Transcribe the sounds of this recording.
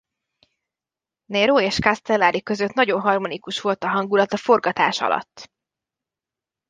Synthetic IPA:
nɛɾoːeːʃkast̪ɛlːaɾikø̞zøt̪nɒɟo̞nɦɒrmo̞nikuʃʋo̞lt̪ɒɦɒŋɡulɒt̪ɒfo̞rɡɒt̪a̰ːʃɒ̰lɒ̰t̪ː

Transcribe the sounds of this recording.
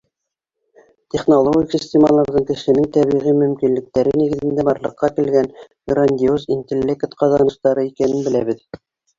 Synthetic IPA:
t̪ʲeχnolˠoɡʲɪksʲisʲt̪ʲemɑlˠɑɾðɤɴkɘ̆ʃɘ̆nɘŋt̪æβiʁimɵ̆mkinlɘ̆k̚t̪æɾɘniɡɘ̆ðɘ̆nd̪æbɑɾlˠɤ̆qːɑkɘ̆lɡæn | ɡranʲd̪ʲiozint̪ʲelʲːekt̪qɑzɑnɤ̆ʃt̪ɑɾɤikænɘnbɘ̆læβɘð

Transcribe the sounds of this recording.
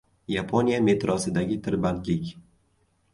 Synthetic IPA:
japʰonijame̞t̪ɾɒsɪd̪aɡʲɪt̪ʰɪɾband̪lɪkʲ

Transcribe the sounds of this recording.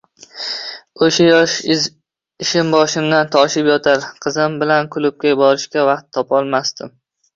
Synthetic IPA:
oʃajɒʃ | ɪʃɪmbɒʃɪmd̪ant̪ʰɒʃɪpjɒt̪ʰaɾqʰɨzɪmbɪlankʰʊlˠʊp̚kʲajɪbɒɾɪʃkʲavɑqt̪ʰːɒpɒlˠmast̪ɪm

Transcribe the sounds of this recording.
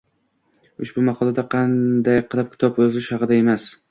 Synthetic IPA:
ʊʃbʊmɑqʰɒlˠad̪aqʰɑnd̪ajqʰɨlˠɪp̚kʲʰɪ̥t̪ʰɒbozɪʃhɑqɨd̪ae̞mas

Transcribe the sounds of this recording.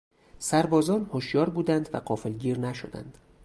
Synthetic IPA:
sæɾbɒːzɒːnhoʃjɒːɾbuːd̪ænd̪væ̰ɢɒːfelɟiːɾnæʃod̪æ̰nd̪̥

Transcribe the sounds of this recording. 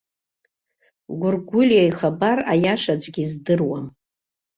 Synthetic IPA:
ɡʷʊrɡʷʊlʲjajχabara̰jaʂad͡ʒʷʼɡʲizdɨrwam

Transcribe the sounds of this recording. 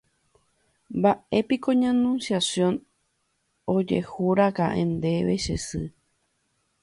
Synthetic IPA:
mbaepikoɲãnũnsjasjõ̞n | od͡ʒe̞̰huɾakãʔḛ̃nd̪e̞ʋe̞ʃesɨ

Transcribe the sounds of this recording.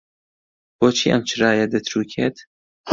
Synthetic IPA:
b̥oːt͡ʃʰḭːʔɐ̰mt͡ʃʰɨrɑːjɐd̪ɐt̪ʰɾuːkʰeːt̪

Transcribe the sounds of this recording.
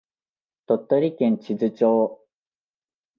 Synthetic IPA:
t̪ot̪ːoɾʲikẽ̞ɲ̟t͡ɕizɨt͡ɕoː

